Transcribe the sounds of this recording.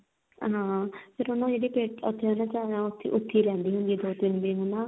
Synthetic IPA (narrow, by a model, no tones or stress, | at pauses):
ɦãːpʰɪɾʊnːãːd͡ʒeːɽiːpeːʈʊ̰t̪ʰːeːɦoːnãːt͡ʃaːnãːʊt̪ʰːḭʔʊt̪ʰːiːɾɛ̃ːnd̪iːɦʊnd̪iːd̪oːt̪ɪnbiːɦʊnãː